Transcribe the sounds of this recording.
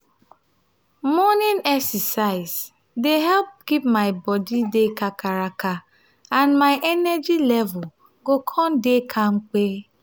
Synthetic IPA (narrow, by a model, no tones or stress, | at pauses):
mɔnɪnɛksɛsaɪs | deɦɛlp̚kip̚maɪbɔdidekakaɾaka | anmaɪʔɛnɛd͡ʒilɛvʊl | ɡokʰɔndekʰaŋ͡m̩k͡pe